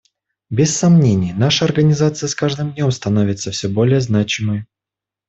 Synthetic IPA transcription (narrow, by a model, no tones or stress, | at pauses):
bʲɪsːɐmnʲenʲɪjnaʂəɐrɡənʲɪzat̪sɨjəskaʐd̪ɨmdʲnʲõ̞mst̪ɐnovʲɪt̪səfsʲɵbo̞lʲɪjəznat͡ɕɪmɨj